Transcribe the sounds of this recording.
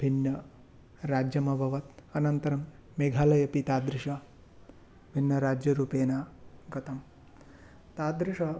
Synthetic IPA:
bʱinjɐ | ɾaːd͡ʒjɐmɐbʱɐʋɐt̪ɐnɐnt̪ɐɾɐmːeɡʱaːlɐjɐpit̪aːd̪ɾiʂɐ | bʱinːɐɾaːd͡ʒjɐɾuːpeːnaːɡɐt̪ɐm | t̪aːd̪ɾiʂɐ

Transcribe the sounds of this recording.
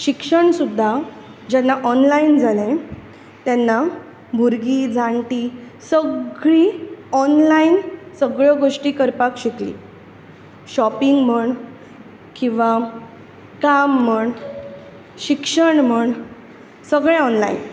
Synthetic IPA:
ɕikʂəɳsud̪ʱːad͡ʑɛnːaʔɔnlaind͡zalẽ | t̪janːa | bʱuɾɡiːd͡zʱaɳʈisəɡɭiːɔnlainsəɡɭəɡoʂʈiːkəɾpakɕiklḭː | ɕɔpiŋɡm̤əɳ | kĩw̃ʋa | kamːəɳ | ɕikʂəɳm̤əɳ | səɡɭẽɔnlain

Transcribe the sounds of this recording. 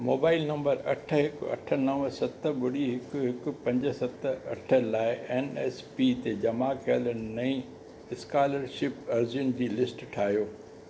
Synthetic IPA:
moːbaːɪlnɐ̃mbəɾɐ̰ʈʰə̆ɦɪkɐ̰ʈʰə̆nɐʋəsɐt̪ʰə̆bʊɽiɦɪkʊɦɪkʊ̆pɐ̃ɲd͡ʑə̆sɐt̪əɐ̰ʈʰəlaːɪʔɛːnɛːspit̪ed͡ʑɐmakʰijələnɪnɐĩ | ɪskaːləɾʃɪpɐɾzjʊnd͡ʑiːlɪsʈʈʰaːɦijoː

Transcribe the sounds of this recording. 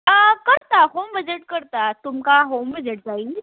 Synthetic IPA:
əkəɾt̪aɦomʋəd͡ʑeʈkəɾt̪at̪umkaɦomʋəd͡ʑeʈ̚d͡zaiː

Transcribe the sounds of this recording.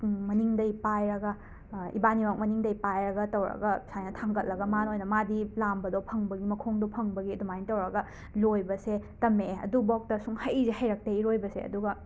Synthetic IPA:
mɐniŋdɐjpajɾɐɡɐ | ḭbaniwak̚mɐniŋdɐjpajɾɐɡɐtɐwɾɐ̰ɡɐsajnɐtʰaŋɡɐt̚lɐɡɐmanojnɐmadilambɐdopʰɐŋbɐɡimɐkʰoŋdopʰɐŋbɐɡiɐdumanitɐwɾɐɡɐ | lojbɐsetɐmeɐ̰dubɔk̚tɐsuŋhɐjzehɐjɾɐk̚tɐiɾojbɐsḛɐ̰duɡɐ

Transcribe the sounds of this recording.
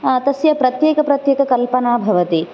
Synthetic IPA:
t̪ɐsjɐpɾɐt̪jeːkɐpɾɐt̪jeːkɐkɐlpɐnaːbʱɐʋɐt̪i

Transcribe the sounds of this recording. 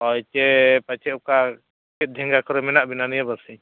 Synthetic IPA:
ɔjt͡ʃɛpat͡ʃɛuka | kɛt̪̚d̪ʱɛŋɡakɔɾɛmɛnaʔbinanijabasiɲ

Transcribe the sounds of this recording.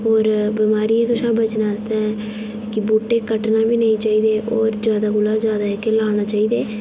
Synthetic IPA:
ɦoːɾbimaːɾiːẽːk̪ʊʃaːbət͡ʃnaːəsd̪aːɛ | kɪboːʈeːkəʈnaːʋiːnəĩːt͡ʃaːiːd̪eːʔoːɾd͡ʒjaːd̪aːɡʊlaːd͡ʒjaːd̪aːekːelaːɽ̃aːt͡ʃaːiːd̪eː

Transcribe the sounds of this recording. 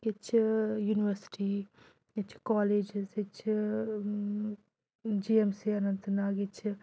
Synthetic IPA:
ɡit͡ʃʰjuːniʋəɾsi̥ʈi | it͡ʃʰkɔːleːd͡ʒzit͡ʃʰ | d͡ʒiemsiɐnɐnt̪naːɡit͡ʃʰ

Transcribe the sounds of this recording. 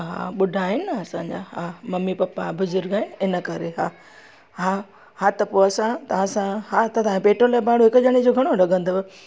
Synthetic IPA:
ɦa̰ːɓʊɖʱaɦɪnɪɐsãɲd͡ʑa̰ːɦaːmɐmipɐpːabʊzʊɾɡaːɪ̃ɪnə̆kɐɾeɦaː | ɦa | hat̪ɐpoːɐsãt̪ɐʋ̤ãsãɦat̪ɐt̪ɐʋãpeːʈɾolaːbaːɽuɦɪkʊʄɐɽ̃id͡ʑoɡʱɐɽ̃oɾɐɡʱə̃nd̪o

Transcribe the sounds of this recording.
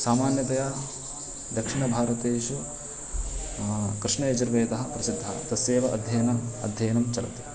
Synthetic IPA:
saːmaːnjɐt̪ɐjaː | d̪ɐkʂiɳɐbʱaːɾɐt̪eːʃu | kɾɪʂɳɐɐt͡ʃɐɾʋeːt̪ɐɦɐ̆pɾɐsid̪ʱːɐɦɐ̰t̪ɐseːʋɐʔɐ̰d̪ʱjɐjɐnɐɐ̰d̪ʱjɐjɐnɐmt͡ʃɐlɐ̰t̪i̥

